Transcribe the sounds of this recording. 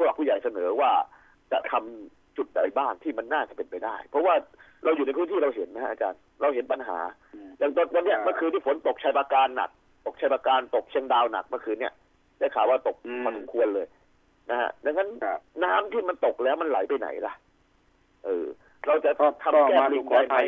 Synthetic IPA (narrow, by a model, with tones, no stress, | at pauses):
sʰɔ˧ɾa˨˩pʰːuː˧˩ja˨˩jsa˧nɤː˩˦waː˥˩ | t͡ɕa̰˨˩ʔt̪ʰa˧m | t͡ɕu˨˩t̪̚da̰˨˩jbaː˥˩ŋt̪ʰiː˥˩ma˧nːaː˥˩t͡ɕa˨˩pe˧npa˧jdaː˥˩jpʰɾɔ˦˥waː˥˩ | ɾa˧wjuː˨˩n˧jpʰɯ˦˥t̪ʰiː˥˩ɾa˧wɦe˩˦nːa˦˥a˦˥ʔt͡ɕa̰ː˧n | ɾa˧wɦe˩˦npa˧nɦa̰ː˩˦ | jaː˨˩ŋt̪ɔ˧nt̪ɔ˧nːi˥ɐma˧ŋkʰɯː˧niː˥˩fo˩˦nt̪o˨˩k̚t͡ɕʰaː˧jpaː˧kaː˧nːa̰˨˩k̚ | t̪o˨˩k̚t͡ɕʰa˧jpaː˧kaː˧nt̪o˨˩k̚t͡ɕʰi˧əŋdaː˧wna̰˨˩k̚ma˧kʰɯː˧nːi˥˩ɐ | daː˥˩kʰaː˨˩waː˥˩t̪o˨˩k̚ʰɔː˧˩so˨˩˦mkʰu˧ənlɤː˧j | na˦˥kʰa̰˦˥da˧ŋːa˦˥nːaː˦˥mt̪ʰiː˥˩ma˧nt̪o˨˩k̚lɛː˦˥wma˧nla̰˩˦jpa˧jna̰˩˦jla̰˧˩ʔ | ʔɤː˧ | ɾa˧wt͡ɕa˨˩ʔt̪ʰa˧mkɛː˧li˧ŋaː˧jma˧˩j